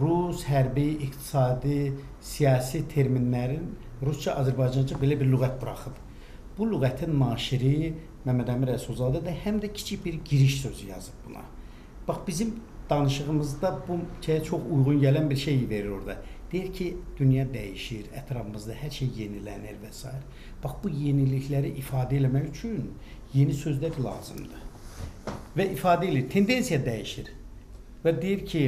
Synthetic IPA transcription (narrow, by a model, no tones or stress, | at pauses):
ɾusɦæɾbiːqt̪ʰi̥sɑːd̪i | sijɑːsit̪ʰe̞ɾminːæɾin | ɾust͡ʃʰɑʔɑzæɾbɑjd͡ʒɑnd͡ʒɑbe̞læbiɾlyɣæt̪̚buɾɑχɯb | b̥ulyɣæt̪ʰinnɑːʃiɾi | mæmæd̪æmiɾælsolˠzɑːd̪ed̪æhæmd̪æcʰi̥t͡ʃʰibiɾɟiɾiʃsø̞zyjɑ̰zɯb̚bunɑ̰ | b̥ɑχbizimd̪̥ɑnɯʃɯʁɯmɯzd̪ɑbuʃʰejæt͡ʃʰo̞χujʁunɟælænbiɾʃe̞jive̞ɾiɾo̞̰ɾd̪ɑd̪̥ejiɾcʰid̪̥ynjɑd̪æjiʃiɾæ̰t̪ʰɾɑfɯmɯzd̪ɑhæɾʃejje̞nilæ̰niɾvæsɑ̰ːiɾ | b̥ɑχb̥ujeniliçlæɾiʔifɑːd̪æelæmæjyt͡ʃʰyn | je̞nisø̞zlæɾlˠɑ̰ːzɯ̰md̪ɯ | væʔifɑːd̪æeliɾt̪ʰe̞nd̪e̞nsijɑd̪æjiʃiɾ | væd̪ijiɾcʰi